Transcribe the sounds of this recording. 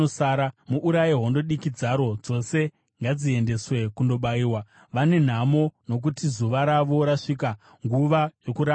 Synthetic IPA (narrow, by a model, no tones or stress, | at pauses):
osaːɾamuʔuɾajiɦo̞ndo̞ɗikid͡zaɾo̞d͡zo̞se̞ | ŋɡad͡zie̞nde̞swe̞kundo̞ɓaiːwa | ʋane̞n̤amo̞no̞k̬utizuʋaɾaʋo̞ɾaʂika | ŋɡuʋajokuɾa